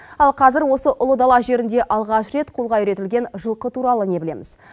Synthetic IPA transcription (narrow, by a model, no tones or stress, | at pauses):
ɑlˠqʰɑzɪɾwo̞səʔʊlˠəd̪ɑlˠɑʒe̞ɾɪnd̪e̞ʔɑlˠʁɑʃɾe̞t̪qʰulˠʁɑjiɾe̞t̪ɪlɡʲe̞nʒəlˠqət̪ʰuɾɑlˠəne̞bɪle̞mɪz̥